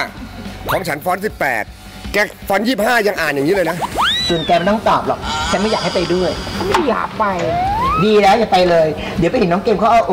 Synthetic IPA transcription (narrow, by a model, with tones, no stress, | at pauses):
pʰɔː˦˥mt͡ɕʰa˦˥nfɔː˦˥nsi˨˩pːɛ̰ː˨˩t̪̚ | kɛ˦˥k̚fɔ˦˥njiː˥˩p̚haː˥˩ja˧ŋʔaː˨˩nja˨˩ŋi˦˥lɤː˧jna˦˥ʔsu˨˩ənkɛː˧ma˧˦˩t̪ɔ˥˩ŋt̪ɔː˨˩p̚lɔ̰˨˩k̚t͡ɕʰa˦˥nma˥˩jaː˨˩ha˥˩pa˧jdu˥˩əjʰa˦˥nma˥˩ja̰ː˨˩k̚pa˧jdiː˧lɛː˦˥wja˨˩pa˧jlɤː˧j | di˨˦pa˧jhe˨˦nɔ˦˥ŋkeː˧mkʰɔː˥˩ʔa˥˩ʔ